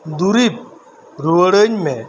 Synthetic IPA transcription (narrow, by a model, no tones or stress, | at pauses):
d̪uɾip̚ | ɾuəɽəɲmẽ